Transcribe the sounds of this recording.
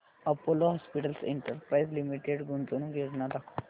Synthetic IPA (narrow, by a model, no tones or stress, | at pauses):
ɐpoloɦɔːspiʈəlsɪ̰̃ɳʈəɾpɾaːizlimiʈeɖɡʊɳt̪onũɡeɾnad̪akʰo